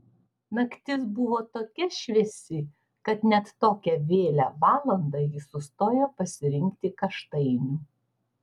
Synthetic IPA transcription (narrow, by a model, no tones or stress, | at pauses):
nɐkt̪ʲɪsbʊʋoːt̪oːkʲɛʃʲʋʲɛsʲɪ | kɐt̪nʲɛt̪ːoːkʲɛʋʲeːlʲæːʋɑːlˠɐnd̪ɐjɪsʊst̪oːjoːpɐsʲɪɾʲɪŋʲkt̪ʲɪkɐʃt̪ɐɪnʲuː